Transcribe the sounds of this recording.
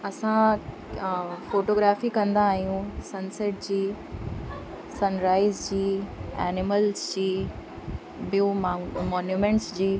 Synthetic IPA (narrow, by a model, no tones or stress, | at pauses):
ɐsã | foːʈoːɡɾaːfikɐ̃nd̪aːɦijũsɐnsɛʈ̚d͡ʑiː | sɐnɾaːɪzd͡ʑiːɛ̰ːnɪməlzd͡ʑiː | biõmɔːnjuːmɛ̃ɳʈsd͡ʑiː